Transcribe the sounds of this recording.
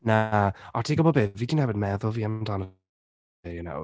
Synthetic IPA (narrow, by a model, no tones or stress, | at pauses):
naɔtʰiːɡɔbɔbeːviːdinhɛbədmɛðʊlˠviːamdan | ɪjəno̰w